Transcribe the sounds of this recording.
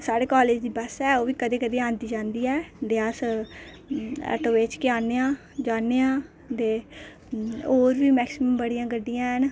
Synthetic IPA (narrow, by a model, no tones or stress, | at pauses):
saːɽeːkaːleːd͡ʒd̪iːbəsɛːoːʋiːkəd̪eːkəd̪eːãːnd̪iːd͡ʒãːnd̪iːɛːd̪eːəs | ɛ̰ːʈoːʋeːt͡ʃkɪaːneːãː | d͡ʒaːneːãː | d̪eː | oːɾʋiːmɛːksɪməmbəɽijãːɡəɖːɪjãːɦən